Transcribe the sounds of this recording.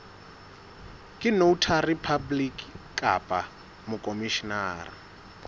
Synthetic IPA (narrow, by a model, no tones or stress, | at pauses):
kʼɪnoutʰaripʰablikʼkʼa̰pʼa | mʊkʼomiʃinaːri